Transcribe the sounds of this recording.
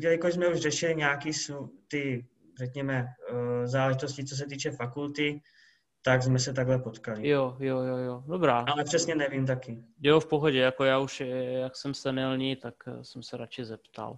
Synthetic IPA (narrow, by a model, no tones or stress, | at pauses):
ɟɛlɪkojzmɛuʒrɛʃɪlɪɲɛakiːsut̪ɪ | rɛkɲɛmɛzaːlɛʒit̪oscɪt͡sos̬ɛt̪iːt͡ʃɛfakult̪ɪ | t̪aɡzmɛsɛt̪aɡɦlɛpot̪kalɪjojojojodobɾaːʔalɛpr̝̥ɛsɲɛnɛviːmt̪akɪjofpoɦoɟɛjako̞jaːuʃjaksɛmsɛnɛlɲiːt̪aksɛmsɛɾat͡ʃɪzɛpt̪a̰l